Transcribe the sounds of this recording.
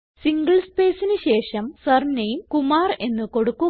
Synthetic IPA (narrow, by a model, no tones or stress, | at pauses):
siŋɡɐɭspe̞ːsinɨɕe̞ːʂɐmsɐrnːɐjumkumaːre̞nːɨko̞ɽukːu